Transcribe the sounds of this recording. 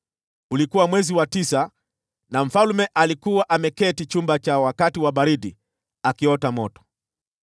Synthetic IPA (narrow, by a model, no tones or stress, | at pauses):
ulikuwamwɛziwatisa | nam̩falumɛʔalikuwaʔamɛkɛtit͡ʃumbat͡ʃawakatiwaɓaɾiɗi | akiɔtamɔtɔ̥